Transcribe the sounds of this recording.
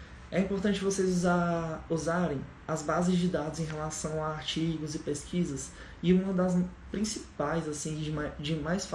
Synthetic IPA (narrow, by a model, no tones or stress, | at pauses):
ɛĩpoɾt̪ɐ̃t͡ʃɪvosejzzauzaɾẽj̃ | ɐzbazɪzd͡ʒɪd̪ad̪ʊzẽj̃ɦelasɐ̃w̃aaɾt͡ʃiɡʊzɪpeskʰizɐs | ɪũmɐd̪ɐspɾĩsipajzasĩd͡ʒmad͡ʒɪmajsf